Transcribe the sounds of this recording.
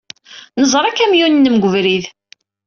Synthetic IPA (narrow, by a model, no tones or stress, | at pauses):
nəzˤɾˤækːæmjunːəmɡʷəvɾið